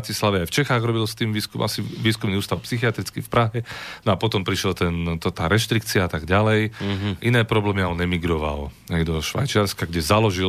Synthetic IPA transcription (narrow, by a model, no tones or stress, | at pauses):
cislaʋɛajft͡ʃɛxaːɣɾɔbilst̪iːmʋiːskumʔasiʋiːskumniuːst̪aʊpsixiat̪ɾit͡skifpɾaɦɛnɔapɔt̪ɔmpɾiʃɛlt̪ɛnt̪t̪aːɾɛʃt̪ɾikt͡siaat̪aɡɟalɛjʔinɛːpɾɔblɛːmiaɔnɛmiɡɾɔʋa̰l | ɦɛjd̪ɔʃʋa̰jt͡ʃɪaɾskaɡɟɛzalɔʒil